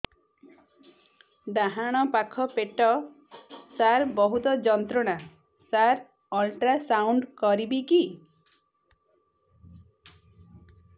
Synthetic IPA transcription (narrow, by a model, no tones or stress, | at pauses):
ɖ̪aɦaɽ̃ɔpakʰɔpeʈɔ | saɾbɔɦut̪ɔd͡ʒɔnt̪ɾɔɽ̃a | saɾ | ɔlʈɾasawɳɖkɔɾibiki